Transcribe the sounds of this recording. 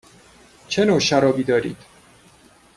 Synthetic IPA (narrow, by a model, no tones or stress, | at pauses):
t͡ʃʰenoːʃæɾɒːbiːd̪ɒːɾḭːd̪̥